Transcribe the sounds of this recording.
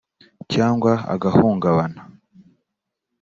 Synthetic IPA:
caːŋɡwaa̰ɡahuːŋɡaβana

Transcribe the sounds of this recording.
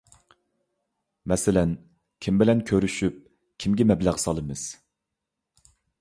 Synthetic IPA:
mɛsɪlɛn | kʲʰimbɪlɛnkʲʰøɾyʃyp̚ | kʲʰimɡʲɛmɛblæʁsɑlˠɨmɨz̥

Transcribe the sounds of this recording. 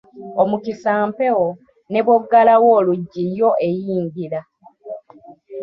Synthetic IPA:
omukisaːmpe̞wo̞ | ne̞βwoɡːalawo̞ːluɟːijo̞ʔe̞jiːɲɟiɾa

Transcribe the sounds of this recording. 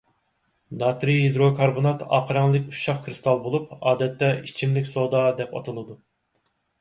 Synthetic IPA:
d̪ɑt̪ɾiɦid̪ɾokʰɑɾbonɑt̪ʰɑ̰ːqʰəɾɑŋlˠɨkʲuʃɑχkʰɾɨst̪ʰɑlˠbolˠupɑːd̪ɛt̪ːɛit͡ʃʰimlɪkʲsod̪ɑd̪ɛpɑ̰t̪ʰɨlˠɨd̪u

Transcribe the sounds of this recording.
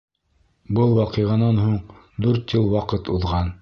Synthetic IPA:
bɤlˠwɑqɤ̆jʁɑnɑnɦuɴ | d̪ʉɾt̪jɤlˠwɑqɤt̪uðʁɑn

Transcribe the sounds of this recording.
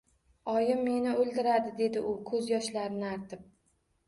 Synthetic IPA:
ɒjɪmːe̞nɪold̪ɪɾad̪ɪd̪e̞d̪ɪʔʊkʰɵzjɒʃlaɾɪnɪaɾt̪ʰɪp̚

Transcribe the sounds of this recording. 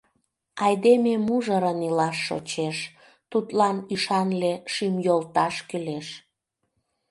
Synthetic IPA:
ɑjd̪ememuʒəɾənilɑʃːo̰t͡ɕeʃ | t̪ut̪lɑnyʃɑnleʃimjolt̪ɑʃkyleʃ

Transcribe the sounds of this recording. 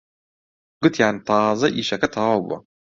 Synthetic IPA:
ɡ̥ɨt̪ʰjaːnit̪ʰaːzɐʔiːʃɐkɐt̪ʰaːabṵɐ̰

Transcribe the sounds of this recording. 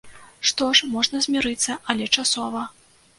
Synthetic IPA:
ʂt̪ɔʂmɔʐnɐzʲmʲiɾɨt̪sːɐʔɐlʲɛt͡ʂasɔvɐ

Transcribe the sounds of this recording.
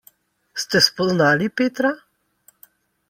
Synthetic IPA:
st̪ɛspɔznaːlipeːt̪ɾa

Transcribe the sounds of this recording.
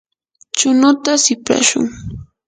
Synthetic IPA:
t͡ʃʊnʊt̪asɪpɾa̰ʃʊ̰ŋ

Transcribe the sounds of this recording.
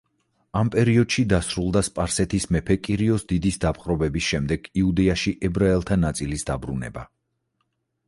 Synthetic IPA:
ampʼɛɾiɔd̪̥ʃid̪asɾulˠd̪aspʼaɾsɛt̪ʰismɛpʰɛkʼiɾiɔsd̪id̪isd̪apʰχʼɾɔbɛbisʃɛmd̪ɛɡ̥iud̪ɛaʃiʔɛbɾaɛlˠt̪ʰanat̪sʼilisd̪abɾunɛ̰ba

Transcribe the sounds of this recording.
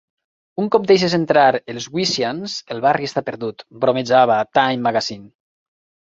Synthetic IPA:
uŋkɔp̚d̪ejʃ̬ezent̪ɾaɾelˠzɣwisjanzelˠβariest̪apeɾðut̪bɾomed͡ʒaβat̪ajmːaɣazin

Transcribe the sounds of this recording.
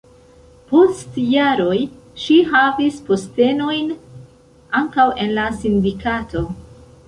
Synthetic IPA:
po̞stjaɾo̞j | ʃiɦavispo̞ste̞no̞jn | aŋkawʔe̞nlasindikatʰo̞

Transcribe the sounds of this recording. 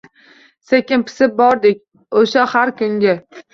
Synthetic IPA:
sekʲɪnpʰɪ̥sɪp̚bɒɾd̪ɪk̚ʲ | oʃahaɾkʰʊŋɡʲa

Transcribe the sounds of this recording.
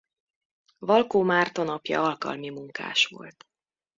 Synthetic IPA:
vɒlkoːmaːrt̪o̞nɒpjɒ̰ɒlkɒ̰lmimuŋka̰ːʃʋo̞̰lt̪

